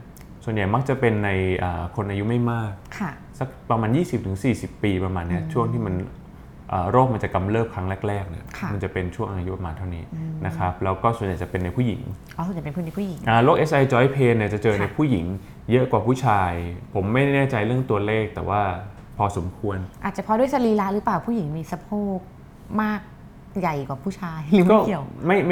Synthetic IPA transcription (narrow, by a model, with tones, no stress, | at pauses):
su˨˩ənja˨˩jma˦˥k̚t͡ɕa˨˩pe˧nːa˧jʔaː˨˩kʰo˧nʔaː˧ju˦˥ma˥˩jmaː˥˩k̚kʰa˧˩ | sa˨˦˩k̚pɾa˧maː˧njiː˥˩si˨˩p̚t̪ʰɯ˩˦ŋsiː˨˩si˨˩pːiː˧pɾa˧maː˧nːi˦˥ɐt͡ɕʰu˥˩əŋt̪ʰiː˥˩ma˧n | ʔaː˨˩ɾoː˥˩k̚ma˧nt͡ɕa˨˩ka˧mlɤː˥˩p̚kʰɾa˦˥ŋlɛː˦˥˩k̚ɾɛː˥˩k̚nḭ˥˩ɐkʰma˧nt͡ɕa˨˩pe˧nt͡ɕʰu˥˩əŋʔaː˧ju˦˥pɾa˧maː˧nt̪ʰa˥˩niː˦˥na˦˥kʰɾa˦˥p̚lɛː˦˥wkɔː˥˩su˨˩˦jt͡ɕa˨˩pe˧nːa˧jpʰuː˥˩jḭ˨˩˦ŋ | ʔɔ˧˩˨t͡ɕa˨˩pe˧npʰu˧na˧pʰuː˥˩ji˨˦ʔaː˨˩lo˦˥k̚ʔe˦˥sʔa˧jt͡ɕɔː˦˥jpʰeː˧nːi˧˩ət͡ɕa˨˩t͡ɕɤː˧na˧jpʰuː˥˩ji˨˩˦ŋ | jɤ˦˥ʔkwaː˨˩pʰuː˥˩t͡ɕʰaː˧jpʰo˩˦mːa˥˩jnɛː˥˩t͡ɕa˧jɾɯ˥˩əŋt̪u˧ɐleː˥˩k̚t̪ɛ̰ː˨˩waː˥˩ | pʰɔː˧so˩˦mkʰu˧ənʔaː˨˩t̪̚t͡ɕa˨˩pʰɔ˦du˥˩ə˨jsa˧liː˧la˦˥ɾɯ˦˥plaː˨˩wpʰu˥˩ji˩˦ŋmiː˧sa˧pʰoː˥˩k̚ | maː˥˩k̚ | ja˨˩jkwaː˨˩pʰuː˥˩t͡ɕʰaː˧jkɔː˥˩˧wma˥˩˥